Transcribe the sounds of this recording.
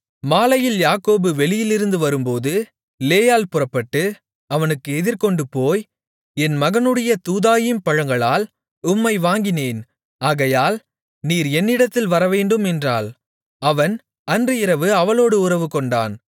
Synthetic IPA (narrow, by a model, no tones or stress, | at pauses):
maːlɐjɪljaːkoːbɯʋɛɭɪjɪlɪɾɯnd̪ɯʋɐɾɯmpoːðɯ | leːjaːlpʊrɐpːɐʈːɯ | ɐʋɐnɯkːɯɛðɪɾkɔɳɖɯpːoːj | ɛnmɐɣɐnɯɽɐjɐt̪uːðaːjɪmpɐɻɐŋɡɐɭaːl | ʊmːɐɪʋaːŋɡɪneːn | aːɣɐjaːl | niːɾɛnːɪɽɐt̪ːɪlʋɐɾɐʋeːɳɖɯmɛndra̰ːl | ɐʋɐn | ɐndrɯɪɾɐʋɯɐʋɐloːɽɯʊɾɐʋɯkɔɳɖa̰ːn